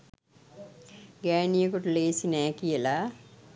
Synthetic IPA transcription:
ɡaːnijɐkuʈuleːsinaːkijela

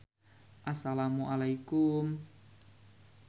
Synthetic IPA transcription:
ʔasalamuʔalajkum

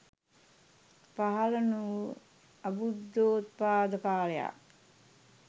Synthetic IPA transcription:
paɦɐlənuː | ɐbud̪ːoːt̪̚paːd̪əpaːleja̰

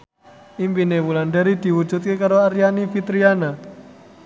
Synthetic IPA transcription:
ʔimpinewulanɖaɾid̪̥i̤wu̥d͡ʒṳt̪̚kekaɾoaɾjanifit̪ɾiana

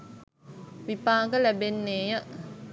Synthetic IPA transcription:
ʋipaːɡəlæbenːeːjə

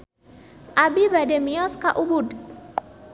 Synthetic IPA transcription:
ʔabibademiɔskaʔubʊd

